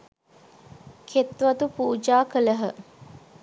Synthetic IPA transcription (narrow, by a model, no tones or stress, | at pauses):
kʰet̪ʋɐt̪upuːd͡ʒaːkələɦə